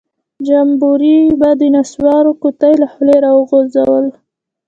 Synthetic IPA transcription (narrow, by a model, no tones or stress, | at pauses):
d͡ʒambuɾibad̪ənaswɑɾokut̪ajlahʊleɾɑwəɣozawəl